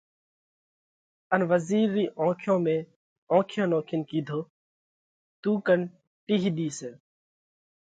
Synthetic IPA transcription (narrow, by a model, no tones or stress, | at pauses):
ənʋəziːɾːiːʔõːkʰjõːmẽː | õːkʰjõːnoːkʰɪnkiːd̪ʱoː | t̪uːkən | ʈiɦiɗ̪iːseː